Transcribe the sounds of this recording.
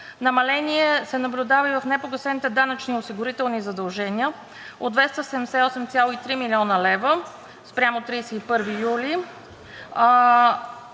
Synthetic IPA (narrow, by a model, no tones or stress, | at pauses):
nɐmɐlɛniɛsɛnɐblʲʊd̪avəivɐfnɛpoɡəsɛnit̪ɛd̪anət͡ʃniosiɡʊɾit̪ɛlˠnizɐd̪ɐlˠʒɛniə | od̪vɛst̪əsɛmd̪ɛsɛɔsɛmt̪sʲjalˠoit̪ɾimilʲiɔnəlɛvə | spɾʲjamot̪ɾiːsɛipɤɾvijuli